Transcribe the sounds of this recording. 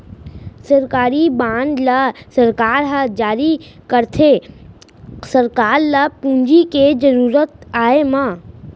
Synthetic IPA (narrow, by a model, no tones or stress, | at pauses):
səɾkaːɾibãːnd̪lasɐɾkaːɾɦad͡ʒaːɾikəɾt̪ʰe | sɐɾkaːɾlapũːɲd͡ʒiked͡ʒəɾuːɾət̪aːemãː